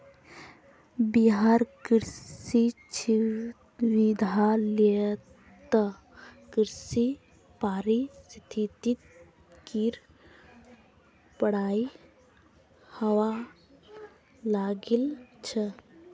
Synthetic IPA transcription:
biɦaɾkiɾsit͡ʃʰi | ʋid̪ʱali | t̪ə | kiɾsi | paːɾist̪ʰit̪it̪̚ | kiɾ | pəɽaːi | hɐwa | laɡilt͡ʃʰə

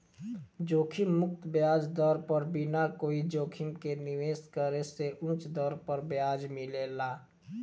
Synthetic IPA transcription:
d͡ʒoːkʰimːʊk̚t̪bjaːd͡ʒd̪ɔːɾpəɾbʱinakoːid͡ʒoːkʰɪmkenɪʋeːskəɾeseʔũːt͡ʃd̪ɔːɾpəɾbjaːd͡ʒmɪlelaː

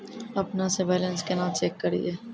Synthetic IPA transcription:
ɐpnasebɛːlə̃nskenãːt̪t͡ʃeːkːɐɾḭeː

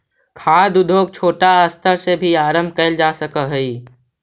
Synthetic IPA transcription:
kʰaːd̪ʊd̪ʱoːɡ̚t͡ʃʰoːʈaəst̪ʰəɾsebʱiaːɾəmbʱkəɪld͡ʒaːsəkəɦəi

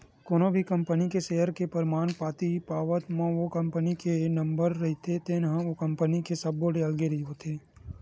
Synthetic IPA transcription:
koːnobʱikɐ̃mpənikeʃeːɦəɾkepəɾmaːnpaːt̪ipaːʋət̪mãʋokɐ̃mpənikenɐ̃mbəɾːɐɦit̪ʰet̪enɦãʋokɐ̃mpənikesɐbːoɖeəlɡeɾəɦiɦot̪ʰeː

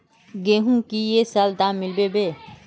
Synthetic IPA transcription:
ɡeːɦũkijesald̪aːɪlbebeː

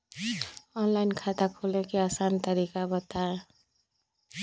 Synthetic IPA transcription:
ɔnlajnkʰat̪akʰolekiasant̪ʌɾikabʌt̪aɾ

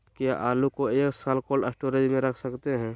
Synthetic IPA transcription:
kijaʔaːlukoeːksaːlkoːləːsʈoːɾed͡ʒmẽɾɐkʰsɐkt̪eɦɛ̃ː

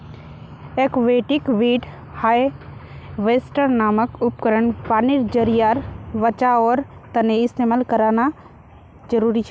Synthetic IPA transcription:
eːkʋeːʈɪkʋiːɖ | haːj | ʋeːsʈəɾnaːməkʊp̚kəɾəɳpaːnɪɾd͡ʒəɾijaːɾʋət͡ʃaɔːɾt̪əneɪst̪eːməlkəɾaːna | d͡ʒəɾuːɾit͡ʃʰɛ

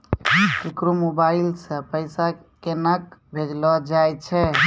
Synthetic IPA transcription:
kekɾomobailsə̃pəjsa | kenəkbʱed͡ʒlɔd͡ʒajt͡ʃʰɛ

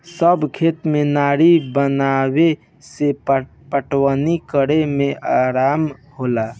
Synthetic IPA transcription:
səbkʰet̪menaɾibənawe | se | pəʈwənikəɾemeaɾaːmhola

